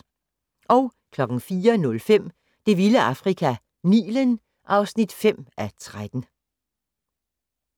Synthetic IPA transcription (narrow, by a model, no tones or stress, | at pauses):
ʔɒ̽ʊkʰlɒ̽ɡ̥n̩fiːɐnɔ̽lfem̰ | d̥e̝ʋiləɑ̈fʁikʰæ | nḭːlən | ʔɑ̈ʊsnid̥fem̰ʔæt͡sʰʁad̥n̩